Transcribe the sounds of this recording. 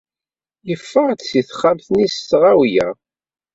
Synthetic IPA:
jəfːəʁt͡ssiθχːæmθnistːʁæwjæ̰

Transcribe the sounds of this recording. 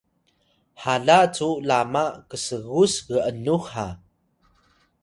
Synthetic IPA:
haɮat͡sulamakəsəɣusɣəʔənuxa

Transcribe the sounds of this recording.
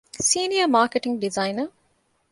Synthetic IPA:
siːniəmaːkeʈiŋɡɖizɐjnə

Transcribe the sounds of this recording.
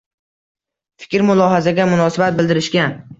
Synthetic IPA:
fɪ̥kʲɾmʊlˠɒɦazaɡʲamʊnɒsabat̪̚bɪld̪ɪɾɪʃkʲan

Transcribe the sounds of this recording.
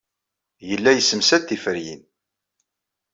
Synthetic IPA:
jəlːæjəsːəmsæt̪ːifəɾjḭn

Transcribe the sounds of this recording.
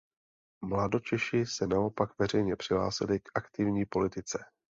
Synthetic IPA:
mlado̞t͡ʃɛʃɪsɛnao̞pakvɛr̝ɛjɲɛpr̥ɪɦla̰ːsɪlɪkʔakt̪ɪvɲiːpo̞lɪt̪ɪt͡sɛ

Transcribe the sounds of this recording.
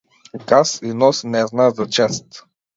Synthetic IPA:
ɡasinɔsnɛznazɐt͡ʃɛst̪

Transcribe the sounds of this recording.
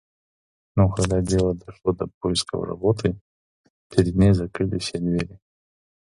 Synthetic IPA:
nokɐɡd̪adʲelˠəd̪ɐʂlˠod̪ɐp̚ojɪskə̰vɾɐ̰bot̪ʰɨ | pʲɪɾʲɪd̪ʲnʲejzɐkɾɨlʲɪ̰fsʲad̪vʲeɾʲɪ

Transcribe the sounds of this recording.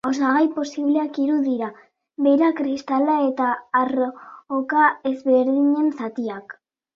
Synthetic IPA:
o̞s̬aɣajpo̞siβle̞akiɾuðiɾa | βe̞ɾakɾist̪alae̞t̪aːrokae̞zβeɾðiɲe̞nsat̪iak

